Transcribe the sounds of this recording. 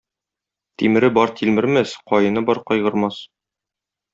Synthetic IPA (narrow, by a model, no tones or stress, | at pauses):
t̪imɘ̆ɾɘbɒɾt̪ʰilmɘ̆ɾmæsqɒjɤ̆nɤbɒɾqɒjʁɤ̆ɾmɑs